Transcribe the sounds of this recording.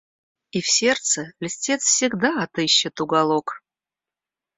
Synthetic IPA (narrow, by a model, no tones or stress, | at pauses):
ifsʲe̞rt̪səlʲɪsʲtʲe̞t̪sfsʲɪɡd̪aɐt̪ɨɕːɪt̪ʊɡɐlˠok